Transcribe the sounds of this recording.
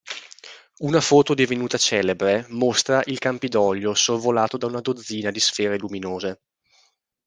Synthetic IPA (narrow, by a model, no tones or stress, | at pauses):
unafoːt̪od̪ivenuːt̪at͡ʃɛːlebɾemost̪ɾaʔilkampid̪ɔʎːosorvolaːt̪od̪aunad̪od̪zːiːnad̪isfɛːɾeluminoːze